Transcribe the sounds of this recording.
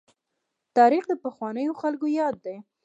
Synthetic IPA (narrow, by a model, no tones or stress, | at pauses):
t̪ɑɾixd̪əpəxwɑnəjoxalkojɑd̪ːaj